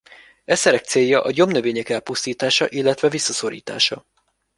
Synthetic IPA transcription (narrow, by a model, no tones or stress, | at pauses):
ɛsɛɾɛk̚t̪seːjːɒʔɒɟo̞mnøveːɲɛkɛlpust̪iːt̪aːʃɒʔilːɛt̪ʋɛvisːɒso̞ɾḭːt̪a̰ːʃɒ